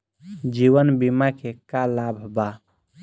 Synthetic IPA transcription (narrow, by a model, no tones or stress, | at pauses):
d͡ʒiwənbimakekalabʱba